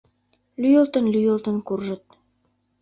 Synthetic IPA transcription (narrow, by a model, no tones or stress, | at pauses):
lyjəlt̪ənlyjəlt̪ənkurʒə̆t̪̚